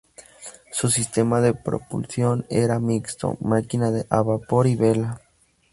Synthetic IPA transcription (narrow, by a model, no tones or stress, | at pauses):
susist̪emaðepɾo̰pṵlsjoneɾamikst̪o̰makinaðeʔaβapoɾiβela